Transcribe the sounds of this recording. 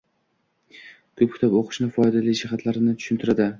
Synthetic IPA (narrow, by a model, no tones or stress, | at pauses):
kʰɵp̚kʲʰt̪ʰɒpoqʰɨ̥ʃnɪfɒjd̪alid͡ʒɪχat̪ʰlaɾɪnɪt̪ʰʊ̥ʃʊɪnt̪ʰɪɾad̪ɪ